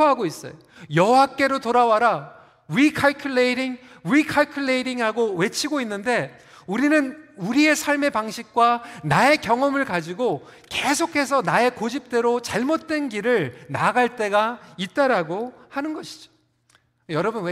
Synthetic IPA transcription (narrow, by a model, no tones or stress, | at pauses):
ɦaɡois͈ʌ̰jo | jʌɦowak͈e̞ɾotoɾawaɾa | ɥikʰaɭkʰjuɭːeɾiŋ | ɥikʰaɭkʰjuɭːeiɾiŋhaɡowe̞t͡ɕʰiɡoinːɯnde̞ | uɾinɯnuɾie̞sʰaɭme̞paŋɕʰik̚k͈wanae̞kjʌŋʌmɯɭkad͡ʑiɡo | ke̞sʰokʰe̞s̬ʰʌnae̞kod͡ʑip̚t͈e̞ɾot͡ɕaɭmot̚t͈we̞nɡiɾɯɭnaɡaɭt͈e̞ɡait̚t͈aɾaɡohanɯnɡʌɕʰi̥d͡ʑo̥ | jʌɾʌbunwe